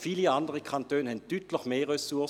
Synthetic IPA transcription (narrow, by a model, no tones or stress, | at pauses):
fiːliandəʁəkʰɑnt̪øːnhɛntyːt̪ləçmeːʁɛsuɐ